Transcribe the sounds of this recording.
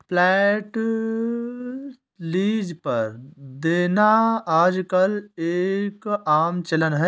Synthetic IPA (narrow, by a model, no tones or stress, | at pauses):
pʰlɛːʈ | liːd͡ʒpɐɾd̪eːnaaːd͡ʒkɐleːkaːmt͡ʃɐlənɦɛ